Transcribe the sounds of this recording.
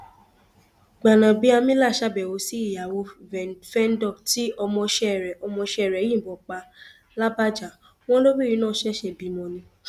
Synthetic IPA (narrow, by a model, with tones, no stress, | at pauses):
ɡ͡ba˨nã˨bi˨˧˦a˧mĩ˦la˦˨ʃa˦˨bɛ˨wo˧˦si˦i˨ja˨wo˧ɛ˨fɛ˦n̩˦dɔ˦˨ti˦ɔ˧mɔ̃˧ʃɛ˦˨ɾɛ˨ɔ˧mɔ̃˧ʃɛ˦˨ɾɛ˨˦jĩ˦˨bɔ˨k͡pa˧ | la˦ba˦d͡ʒa˨ | w̃ɔ̃˦lo˦wi˦˨i˨˦nãː˦˨˦ʃɛ˦ʃɛ˧bi˧mɔ̃˧nĩ˧